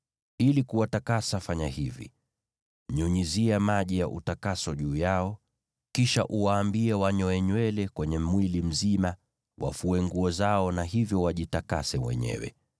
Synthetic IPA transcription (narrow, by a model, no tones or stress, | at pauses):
ilikuwatakasafaɲahivḭ | ɲuɲiziamaʄijaʔṵtakasɔʄuːjaɔ | kiʃa̰ʔuwaːmbiɛwaɲɔɛɲwɛlɛkwɛɲɛmwilim̩zima | wʔa̰fuɛŋɡuɔzaɔnaɦivjɔwaʄitakasɛmwɛ̰ɲɛ̰wɛ̰